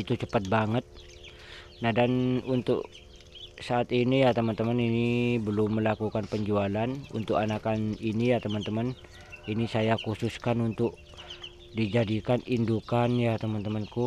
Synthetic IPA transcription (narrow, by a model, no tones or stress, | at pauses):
it̪ut͡ʃəpat̪̚baŋət̪̚ | nahdanunt̪ʊ̰k | saːt̪inijat̪əmənt̪əməninibəlʊmːəlakukanpəɲd͡ʒualanṵnt̪ʊkanakaninijat̪əmənt̪əmən | inisajakususkanunt̪ʊk̚ | did͡ʒadikanindukanjat̪əmant̪əmənku